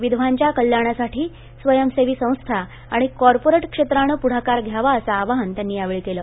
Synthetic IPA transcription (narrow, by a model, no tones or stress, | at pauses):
ʋid̪ʱʋ̤aɲt͡ɕjakəljaɽ̃asaʈiː | sʋəjəmseʋiːsə̃w̃st̪ʰa | aɽ̃ikɔɾpoɾeʈkʂet̪ɾaɽ̃əpuɽ̤akaɾɡʱjaʋaəsaːʋaɦənt̪janːiːaʋeɭikeləː